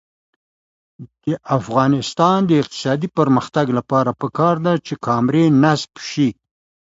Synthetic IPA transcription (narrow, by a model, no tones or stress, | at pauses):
d̪̥əʔafɣɑnɪst̪ɑnd̪əɪq̚t̪ɪ̥sɑd̪ipəɾməxt̪aɡlapɑɾapəkɑɾd̪at͡ʃekʰɑmɾenasbʃi